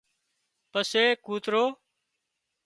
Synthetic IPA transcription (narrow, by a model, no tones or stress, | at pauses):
pəseːkuːt̪ɾoː